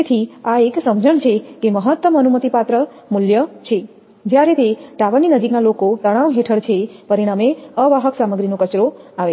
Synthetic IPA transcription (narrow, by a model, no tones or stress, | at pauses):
t̪ʰiaeksəmd͡ʒəɳt͡ʃʰekeməɦət̪ːəmənumət̪ipat̪ɾə | muljət͡ʃʰe | d͡ʒjaɾet̪eʈaʋəninəd͡ʒiknalokot̪əɽ̃aʋɦeʈʰəɭt͡ʃʰepəɾiɽ̃ameəʋaɦəksaməɡɾinokət͡ʃɾoaʋe